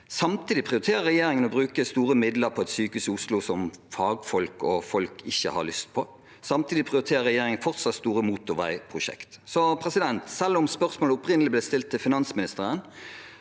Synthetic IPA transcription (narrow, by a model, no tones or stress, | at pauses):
sɑmt̪ʰiːd̪ɪpʰʁɪʊɾɪt̪ʰeːɾəɾɛjeːɾɪŋənɔbɾʉːkəst̪uːɾəmɪd̪ləɾpʰɔɛt̪syːkʉsʊslusɔmfɑːɡfɔlkɔfɔlkʰɪçːə̰hɑ̰lʏst̪̚pʰɔ | sɑmt̪ʰiːd̪ɪpʰʁɪʊɾɪt̪ʰeːɾəɾɛjeːɾɪŋənfɔʁt̪sɑt̪st̪uːɾəmuːt̪ʊʋæ̰ɪpʰʁʊʃɛ̰kt̪sɔpʰɾɛsɪd̪ɛnt̪sɛlːɔmspœʁsmoːləʊpɾɪnəlɪblɛːst̪ɪlt̪ʰːɪlfɪnɑnsmɪnɪst̪əʁən